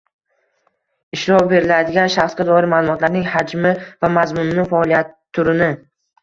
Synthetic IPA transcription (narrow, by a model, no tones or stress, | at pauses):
ɪʃɾɒwbe̞ɾɪlad̪ɪɡʲanʃaχsɡʲad̪ɒɪɾmaːlˠʊmɒt̪laɾnɪŋhad͡ʒmɪvamazmʊnːɪfaɒlˠijat̪ʰːʊɾɪnɪ